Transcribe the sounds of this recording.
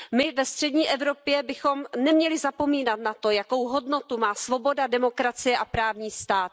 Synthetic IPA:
mɪvɛst̪r̥ɛdɲiːʔɛvɾo̞pjɛbɪxo̞mnɛmɲɛlɪzapo̞miːnat̪̚nat̪o̞jako̞wɦo̞dno̞t̪umaːsvo̞bo̞dadɛmo̞kɾat͡sɪjɛʔapɾaːvɲiːst̪aːt̪

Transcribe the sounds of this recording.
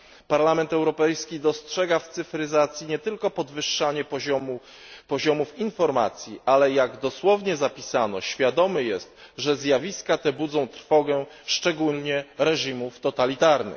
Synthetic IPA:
paɾlamɛnt̪ɛwɾɔpɛjskʲid̪ɔstʂɛɡaft̪sɘfɾɘzat̪sʲjiɲɛt̪ɘlkɔpɔd̪vɘʂːaɲɛɔ | pɔʑɔmufinfɔɾma̰t̪sʲjiʔalɛjaɡd̪ɔswɔvɲɛzapʲisanɔ̰ɕfʲjad̪ɔmɘjɛst̪ʐɛzʲjavʲiskat̪ɛbud̪zɔ̃w̃t̪ɾfɔɡɛʂt͡ʂɛɡulɲɛɾɛʐimuft̪ɔt̪alʲit̪aɾnɘ̰

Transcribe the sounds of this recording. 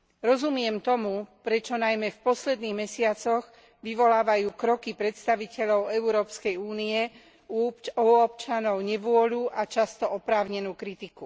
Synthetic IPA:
ɾɔzumɪɛmt̪ɔmupɾɛt͡ʃɔnajmɛfpɔslɛd̪niːɣmɛsɪat͡sɔɣ | ʋiʋɔlaːʋajuːkɾɔkipɾɛt̪st̪aʋicɛʎɔʊɛuɾɔːpskɛjuːniɛ | uuɔpt͡ʃanɔʊɲɛʋʊɔʎuːʔat͡ʃast̪ɔʔɔpɾaːʊɲɛnuːkɾit̪iku

